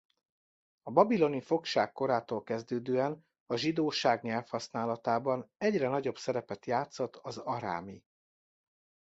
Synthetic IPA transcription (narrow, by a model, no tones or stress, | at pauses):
ɒbɒbilo̞nifo̞kʃaːkːo̞ɾaːt̪oːlkɛzd̪øːd̪øːɛn | ɒʒid̪oːʃaːɡɲɛlfhɒsnaːlɒt̪aːbɒnɛɟrɛnɒɟo̞bsɛɾɛpɛt̪jaːt̪sot̪ːɒzɒɾa̰ːmi